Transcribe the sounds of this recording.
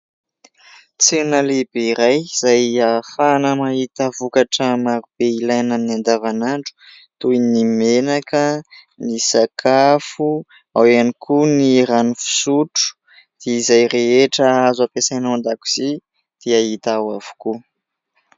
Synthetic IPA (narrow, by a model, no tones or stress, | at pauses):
t͡senəlibiɾajz̥ajafanəmaɦit̪əvukaʈ͡ʂəmaɾub̥eilajnaminiand̪avanaɳɖ͡ʐu̥ | t̪ujnimenakə | nisakʰafu | awanikʰuniɾanufi̥suʈ͡ʂu̥ | d̪̥eizajɾeeʈ͡ʂəazapesajnand̪aku̥z̥i | d̪̥eaɦit̪awav̥u̥ku